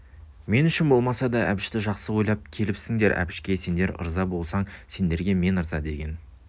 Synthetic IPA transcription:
me̞nʏʃɪnbo̞lˠmɑsɑd̪ɑʔæbɪʃt̪ɪʒɑqsəwo̞jlˠɑp̚kʲʰe̞lɪpsɪŋd̪e̞ɾʔæ̰bɪʃkʲe̞se̞nd̪e̞ɾə̰ɾzɑbo̞lˠsɑɴse̞nd̪e̞ɾɡʲe̞me̞nəɾzɑ̰d̪e̞ɡʲen

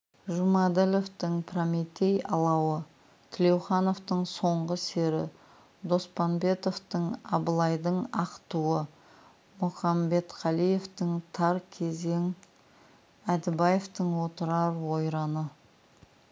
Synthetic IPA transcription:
ʒumɑd̪elo̞ft̪əɴpʰramet̪e̞jɑlˠɑwə | t̪ʰɪle̞wχɑno̞ft̪əɴso̞ɴʁəse̞ɾɪ̰ | d̪o̞spɑnbe̞t̪o̞ft̪əɴɑ̰bəlˠɑjd̪əɴɑqt̪uwə | mʊχɑmbe̞t̪qʰɑlˠije̞ft̪əŋt̪ʰɑɾkʲʰe̞ze̞ŋ | æd̪ɪbɑjeft̪əɴwo̞t̪əɾɑɾwo̞jɾɑnə

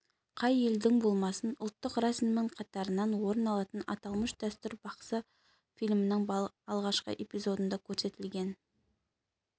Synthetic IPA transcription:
qʰɑje̞ld̪ɪŋbo̞lˠmɑsənʊlˠt̪ːəqrɑsiməɴqʰɑt̪ɑɾənɑnwo̞ɾənɑlˠɑt̪ənɑ̰t̪ɑlˠməʃd̪̥æst̪ʏɾbɑqsə | fijlʲmənəɴɑlˠʁɑʃqə̰ʔe̞pijzo̞d̪ənd̪ɑkʲʰɵɾse̞t̪ɪlɡʲe̞n

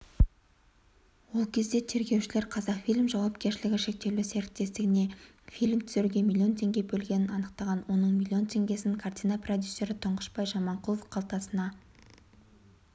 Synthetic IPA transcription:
wo̞lˠkʲʰe̞zd̪e̞t̪ʰe̞ɾɡʲe̞wʃɪle̞ɾqʰɑzɑqfijlʲmʒɑwɑp̚kʲe̞ɾʃɪlɪɡʲɪʃe̞k̚t̪e̞wluseɾɪt̪ːe̞st̪ɪɡʲɪne̞ | fijlʲmt̪ʰʏ̥zeɾɡʲe̞mʲilʲˠːio̞nt̪ʰe̞ŋɡʲe̞bɵlɡʲe̞nɪnɑnəq̚t̪ɑʁɑnwo̞nəɴmʲilʲˠːio̞nt̪ʰe̞ŋɡʲe̞sɪnɪŋkʰart̪ʲijnɑprod̪ʲjusːe̞ɾɪt̪ʰʊɴʁəʃbɑjʒɑmɑɴqʰʊlˠofqʰɑlˠt̪ɑsənɑ

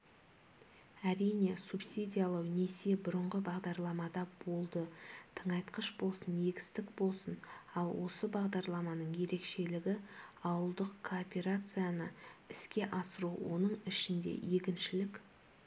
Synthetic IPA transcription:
æɾijne̞supsid̪ʲijalˠɑwnese̞bʊɾəɴʁəbɑʁd̪ɑɾlˠɑmɑd̪ɑbo̞lˠd̪ət̪ʰəɴɑjt̪qəʃbo̞lˠsəne̞ɡʲɪ̥st̪ɪkbo̞lˠsənɑlˠwo̞səbɑʁd̪ɑɾlˠɑmɑnəɴje̞ɾe̞kʃe̞lɪɡʲɪɑwəlˠd̪əqkʰoːpʲe̞ɾat̪sɨjanəɪskʲe̞ʔɑsəɾuwo̞̰nəɴɪʃɪnd̪e̞̰je̞kʲɪnʃɪlɪkʲ

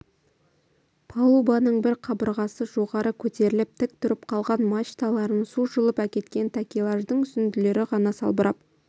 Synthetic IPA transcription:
pʰɑlˠubɑnəɴbɪɾqʰɑbəɾʁɑsəʒo̞ʁɑɾəkʲʰɵt̪e̞ɾɪlɪp̚t̪ʰɪk̚t̪ʰʊɾɪp̚qʰɑlˠʁɑnmɑt͡ʃt̪alˠɑɾənsuʒʊlˠəpækʲe̞t̪kʲe̞nt̪ʰakʲilˠaʒd̪əɴʏsɪnd̪ɪle̞ɾɪʁɑnɑsɑ̰lˠbəɾʔɑ̰p̚

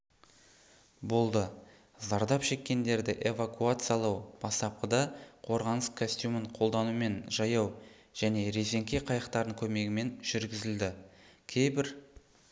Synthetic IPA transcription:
bo̞lˠd̪ə | zɑɾd̪ɑpʃe̞kʲːe̞nd̪e̞ɾd̪ɪʔe̞vakuat̪sɨjɑlˠɑwb̥ɑst̪ɑp̚qəd̪ɑqʰo̞ɾʁɑnəskʰosʲt̪juməɴqʰo̞lˠd̪ɑnume̞nʒɑjɑw | ʒ̥æne̞ɾeze̞ŋkʲe̞qʰɑjəqt̪ɑɾəɴkʲʰɵme̞ɡʲɪme̞nʒ̥ʏɾɡʲɪzɪld̪ɪkʲʰe̞jbɪɾ

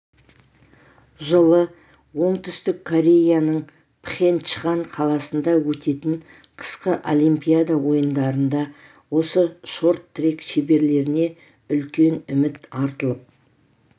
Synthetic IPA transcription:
ʒəlˠə | wo̞ɴt̪ʰʏst̪ɪkʰːoɾʲe̞jjanəɴ | pʰχe̞nʃəʁɑnqʰɑlˠɑsənd̪ɑwɵt̪e̞t̪ɪɴ | qʰə̥sqəʔo̰limpijad̪ɑwo̞jənd̪ɑɾənd̪ɑ | wo̞səʃo̞ɾt̪ːɾekʃebe̞ɾle̞ɾɪne̞ | ʏlkʲe̞nʏmɪt̪ɑɾt̪əlˠəp̚

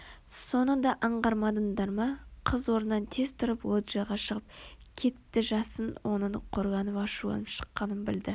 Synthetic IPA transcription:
so̞nəd̪ɑʔɑɴʁɑɾmɑd̪ənd̪ɑɾmɑqʰəzwo̞ɾənːɑnt̪ʰe̞zt̪ʰʊɾəpwot̪ʒɑjʁɑʃəʁəp̚kʲʰe̞t̪ːɪʒɑsənwʔo̞̰nəɴqʰo̞ɾʁɑnəpɑʃuɑ̰nəpʃə̥qːɑnənbɪld̪ɪ

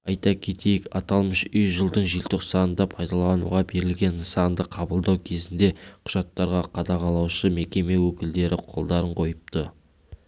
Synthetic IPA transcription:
ɑjt̪ɑkʲʰe̞t̪e̞jɪkɑt̪ɑlˠməʃʏjʒəlˠd̪əɴʒilt̪ɪqsɑnənd̪ɑpʰɑjd̪ɑlˠɑnṵʁɑbe̞ɾɪlɡʲe̞nsɑnd̪əqʰɑbəlˠd̪ɑwkʲʰe̞zɪnd̪e̞qʰʊʒ̥ɑt̪ːɑɾʁɑqʰɑd̪ɑʁɑlˠɑwʃəme̞kʲe̞me̞wɵkʲɪld̪e̞ɾʔɪqʰo̞̰lˠd̪ɑɾəɴqʰo̞jəp̚t̪ə

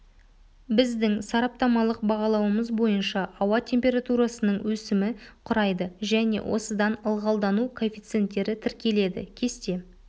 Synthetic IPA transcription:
bɪzd̪ɪŋsɑɾɑp̚t̪ɑmɑlˠəq̚bɑʁɑlˠɑwəməzbo̞jənʃɑʔːwɑt̪ʲʰe̞mpʲe̞ɾat̪uɾɑsənəɴwɵsɪmɪqʰʊɾɑjd̪əʒæne̞̰wʔo̞̰səd̪ɑnəlˠʁɑlˠd̪ɑnukʰo̞fʲit̪se̞nt̪ːe̞ɾɪt̪ʰɪɾkʲe̞le̞d̪ɪ̰kʲʰe̞st̪e̞

